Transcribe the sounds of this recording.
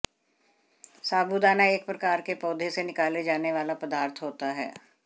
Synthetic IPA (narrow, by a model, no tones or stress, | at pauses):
saːbud̪aːnaeːkpɾɐkaːɾkepɔːd̪ʱesenɪkaːled͡ʒaːneʋaːlapɾɐd̪aːɾt̪ʰɦoːt̪aɦɛ̰ː